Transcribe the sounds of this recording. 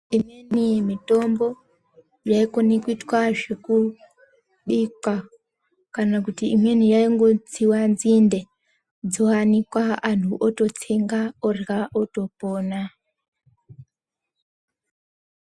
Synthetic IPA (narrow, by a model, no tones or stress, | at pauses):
imenimito̞mbo̞ | jaikonikuitwaʐeku | ɓikwa | kanakutiimwenijaiŋɡo̞t͡siwanzinde | d͡zoanikwaantʰuʔoto̞t͡seŋɡaorɣaʔoto̞poːna